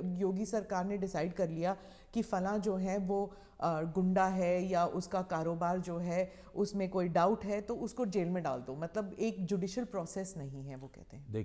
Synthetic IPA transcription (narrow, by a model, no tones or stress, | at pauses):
joːɡisɐɾkaːɾneɖɪsaːɪɖkɐɾlija | kifɐlãd͡ʒoːɦɛʋoː | ɡʊ̃ɳɖaɦɛjaʔʊskakaːɾoːbaːɾd͡ʒoːɦɛ | ʊsmẽkoːiɖaːʊʈɦɛt̪oʊskod͡ʒeːlmẽɖa̰ːld̪omɐt̪ləbeːkd͡ʒuːɖiːʃəlpɾɔːseːsnɐɦĩɦɛʋokɛ̰ɦt̪eɦɛ̃d̪e